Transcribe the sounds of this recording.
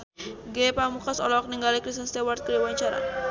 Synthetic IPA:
ɡepamukasɔ̰lɔk̚niŋɡalikɾist̪ənst̪ɛwart̪̚kəɾiwaɲt͡ʃaɾa̰

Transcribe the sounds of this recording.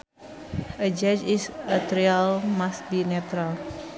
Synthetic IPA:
əd͡ʒad͡ʒisət̪ɾialmasbinɛt̪ɾal

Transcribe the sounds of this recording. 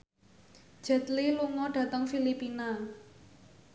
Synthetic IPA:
ʒ̥ɛ̤t̪liluŋɔɖ̥ä̤t̪əŋfilipina

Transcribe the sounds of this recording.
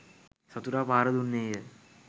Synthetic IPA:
sɐt̪uɾaːpaːɾəd̪unːeːjə

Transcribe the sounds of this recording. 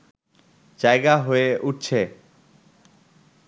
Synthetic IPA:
d͡ʑajɡaɦoeʔuʈ̚t͡ɕʰe

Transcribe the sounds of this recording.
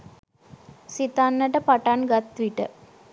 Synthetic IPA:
sit̪anːəʈəpaʈanɡat̪ʋiʈə̰

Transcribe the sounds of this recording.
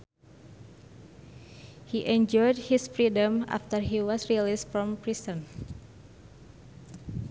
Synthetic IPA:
hiʔɛ̃nd͡ʒɔjd̚hisfɹidə̃ma̰ft̪əɹɦiwɔsɹilistfɹɔ̃mpɾistə̃n

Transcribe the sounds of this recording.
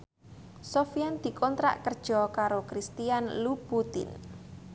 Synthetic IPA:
sofijand̪̥i̤kɔnt̪ɾa̰ʔkərd̥ʒ̥ɔkaɾokɾist̪ijanlubut̪ɪ̰n

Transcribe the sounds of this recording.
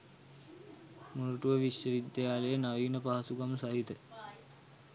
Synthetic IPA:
muɾuʈuʋəʋiʃjəʋid̪jjaːlejənaʋiːnəpaɦasuɡamsaɦit̪ə

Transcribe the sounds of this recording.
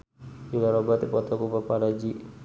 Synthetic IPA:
julaɾɔbat̪ipɔt̪ɔkupapaɾad͡ʒi

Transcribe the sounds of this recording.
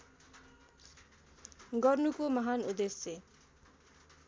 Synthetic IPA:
ɡʌrnukomʌɦanud̪esjʌ

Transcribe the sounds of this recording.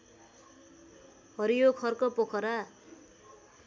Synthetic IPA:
hʌɾijokʰʌrkopokʰʌɾa

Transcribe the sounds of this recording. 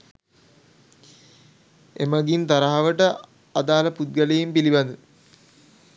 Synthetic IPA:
emaɡint̪aɾaɦaʋəʈə | ad̪aːləput̪̚ɡəlejimpilibɐnd̪u

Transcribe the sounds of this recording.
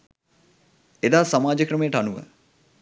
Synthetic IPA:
ed̪aːsamaːd͡ʒəkɾəmejəʈanuʋə̰

